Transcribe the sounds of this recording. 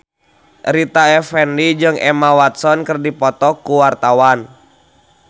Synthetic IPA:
ɾit̪aɛfɛndid͡ʒɨŋʔɛmawat̪̚sɔnkərdipɔt̪ɔkuwart̪awan

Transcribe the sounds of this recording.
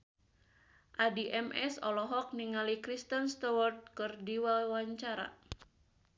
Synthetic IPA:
ʔadiʔɛmʔɛsɔlɔɦɔk̚niŋalikɾist̪ənst̪ɔwɔrt̪̚kɨrdiwawaɲt͡ʃaɾa̰

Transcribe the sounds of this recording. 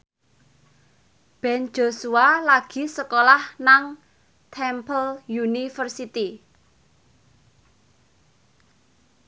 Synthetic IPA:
b̥ɛ̤n̥d͡ʒ̥o̤sualaɡ̥i̤səkolahnaŋ | t̪ʰɛmpəljunifərsit̪i

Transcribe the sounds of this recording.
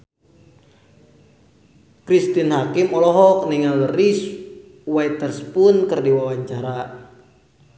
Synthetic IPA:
kɾist̪inhakimɔlɔɦɔk̚niŋaləris | wait̪ərspʊnkɨrdiwawaɲt͡ʃaɾa

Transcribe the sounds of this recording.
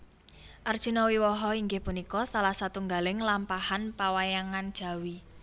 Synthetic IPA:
ʔərd̥ʒ̥ṳnɔwiwɔɦɔiŋɡɪhpunikɔsalahsat̪uŋɡalɪŋlampahanpawajaŋand̥ʒ̥ä̤wi

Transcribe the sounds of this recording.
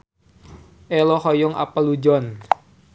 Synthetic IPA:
ʔɛlɔhɔjɔŋa̰pəlud͡ʒɔn

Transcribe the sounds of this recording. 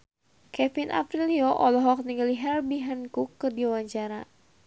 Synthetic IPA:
kɛfinʔa̰pɾiliɔʔɔlɔɦɔk̚niŋɡaliɦɛrbiɦankukːɨrdiawaɲt͡ʃaɾa

